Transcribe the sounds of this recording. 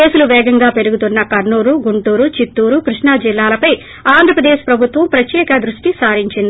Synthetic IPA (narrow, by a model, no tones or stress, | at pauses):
eːsuluʋɛːɡɐŋɡaːpe̞ɾuɡut̪unːɐkɐɾɳuːɾuɡuɳʈuːɾut͡ʃit̪ːuːɾukɾuʂɳɐd͡ʒilːaːlɐpɐj | aːnd̪ʱɾɐpɾɐd̪eːʃpɾɐbʱut̪ʋɐmpɾɐtjɛːkɐd̪ɾuʂʈisaːɾiɲt͡ʃind̪i